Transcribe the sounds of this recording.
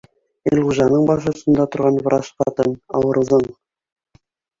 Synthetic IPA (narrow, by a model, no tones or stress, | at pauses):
elʁuʒɑnɤɴbɑʃŭsɤ̆nd̪ɑt̪ŏɾʁɑnv̆ɾʔɑʃqɑ̰t̪ɤnɑ̰wɤ̆ɾɤ̆zɤɴ